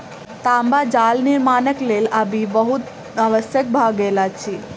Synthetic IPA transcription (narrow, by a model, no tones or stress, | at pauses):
t̪ambad͡ʒalniɾmanəklelabibəɦut̪ | aʋəsjək̚bʱaɡelat͡ʃʰi